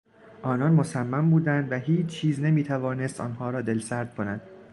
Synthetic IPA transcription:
ʔɒːnɒnmosæmːæmbuːd̪ænd̪væɦiːt͡ʃt͡ʃʰiːzne̞miːt̪ʰævɒːne̞st̪ɒ̰ːnhɒːɾɒːd̪e̞lsæɾd̪̚kʰo̞nænd̪̥

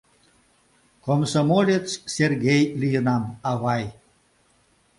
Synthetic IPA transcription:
komsomolʲet͡sserɡʲejlʲijənɑmɑβɑj

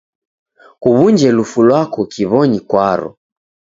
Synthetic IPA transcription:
kuβund͡ʒɛlufulwakɔkiβɔɲikwaɾɔ̰

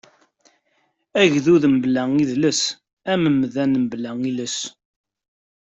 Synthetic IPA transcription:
æʝðuðəmblæŋiðləs | æməmðænəmblæŋiləs

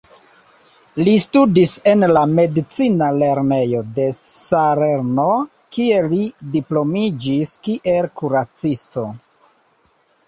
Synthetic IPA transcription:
listudise̞nlame̞dit͡sinale̞ɾne̞jo̞de̞saɾeɾno̞ | kie̞lidiplo̞mid͡ʒiskiʔe̞lkuɾat͡sisto̞

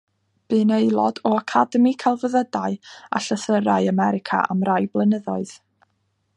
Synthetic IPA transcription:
b̥ɨnejlˠɔdɔakʰadəmikʰalˠvəðədaɨa̰ɬəθəɾaɨamɛɾɪkʰa̰ʔa̰mrajblˠənəðɔɨð̥

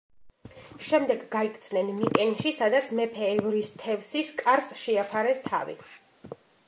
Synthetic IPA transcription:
ʃɛmd̪ɛɡɡaikʰʼt̪sʰnɛnmikʼɛnʃisad̪at̪sʰmɛpʰɛːvɾist̪ʰɛvsiskʼaɾsʃɛapʰaɾɛst̪ʰa̰vḭ

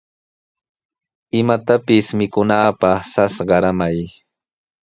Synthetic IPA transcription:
ɪmat̪apɪsmɪkʊnaːpɑχsasɢɑɾamaj

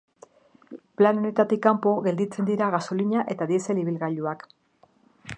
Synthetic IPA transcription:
planonet̪at̪ikampo̞ɣe̞ld̪it͡se̞nd̪iɾaɣaso̞liɲaʔe̞t̪aðieseliβilɣaʎuak

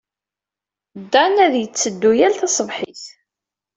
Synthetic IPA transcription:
d̪ːænæðjət͡sːəd̪ːujælθɑsˤəvħiθ

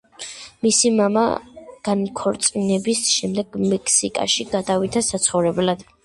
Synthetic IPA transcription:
misimama̰ɡ̥ankʰɔɾt̪sʼinɛbisʃɛmd̪ɛɡmɛkʰsikʼa̰ʃiɡad̪avit̪ʰasat̪sʰχɔvɾɛblad̪̥

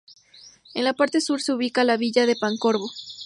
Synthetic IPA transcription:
enlapaɾt̪e̞suɾseuβikalaβiʝaðe̞paŋko̞ɾβo̞

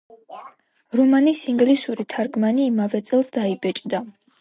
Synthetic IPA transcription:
ɾɔmanisiŋɡlisuɾit̪ʰaɾɡmaniːmavɛt̪sʼɛlˠsd̪aibɛt͡ʃʼd̪a

